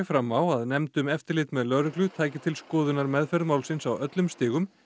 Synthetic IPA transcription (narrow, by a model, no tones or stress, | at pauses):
fɾamːawaðnɛmt̪ʏmɛft̪ɪɾlɪt̪mɛðlœɾʏklʏt̪ʰaːjcɪt̪ʰɪlskɔːðʏnaɾmɛðfɛɾðmawlsɪnsawœt̪lʏmst̪ɪːɣʏm